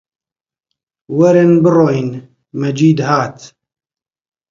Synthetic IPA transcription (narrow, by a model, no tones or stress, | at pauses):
wɐɾɪnbɨrojn | mɐd͡ʒiːd̪haːt̪